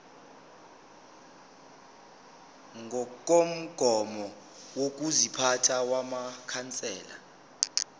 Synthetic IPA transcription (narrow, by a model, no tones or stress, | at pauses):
ŋʱɔk̬ʼom̩ɡ̥ʱɔmɔ | wok̬ʼuzipʰatʰawamakʰant͡sʼɛ̰ːla̰